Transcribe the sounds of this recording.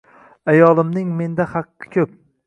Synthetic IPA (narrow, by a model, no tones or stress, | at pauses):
ajɒlˠɪmnɪŋme̞nd̪ahɑqːɨ̥kʲʰɵp̚